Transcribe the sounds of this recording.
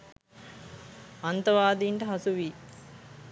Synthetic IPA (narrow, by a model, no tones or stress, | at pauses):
ɐnt̪ɐʋaːd̪iːɳʈəɦɐsuʋiː